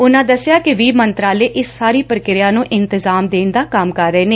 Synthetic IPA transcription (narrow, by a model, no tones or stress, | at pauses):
ʊnãːd̪əsɪjaːkɪʋiːmənt̪ɾaːleːʔɪsːaːɾiːpɾəkɪɾɪjãːnũːʔɪnt̪ɪzaːmd̪eːnd̪aːkəmkəɾːəeːneː